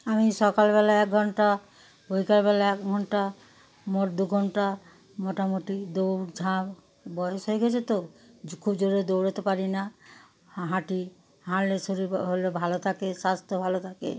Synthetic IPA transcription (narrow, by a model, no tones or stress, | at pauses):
amiʃɔkalbɛlaɛk̚ɡʱɔɳʈa | bojkalbɛlaɛkɡʱɔɳʈa | moʈd̪uɡʱɔɳʈa | moʈamoʈid̪owd͡ʒʱãb | bɔjoʃɦojɡɛt͡ɕʰet̪okʰubd͡ʒoɾed̪owɾot̪epaɾina | ɦãʈi | ɦãɽlesoɾiɦolobʱalot̪ʰakeʃast̪obʱalot̪ʰakḛ